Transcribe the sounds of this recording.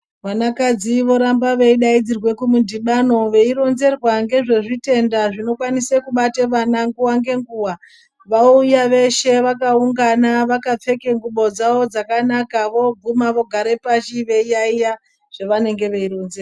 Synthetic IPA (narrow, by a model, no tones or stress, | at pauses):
ʋanakad͡ziʋo̞ɾambaʋe̞iɗaid͡zirwe̞kumudiɓano̞ʋe̞iɾo̞nze̞rwaŋɡe̞ʐe̞ʐite̞ndaʐino̞kwanisekuɓateʋanaŋɡuwaŋɡe̞ŋɡuwa | ʋaujaʋe̞ʃe̞ʋakauŋɡanaʋakap͡fe̞ke̞ŋɡuɓo̞d͡zaʋo̞d͡zakanakaʋo̞b͡vumaʋo̞ɡʱaɾe̞paʃiʋe̞ijaija | ʐ̥e̞ʋane̞ŋɡe̞ʋe̞iɾo̞nzerwa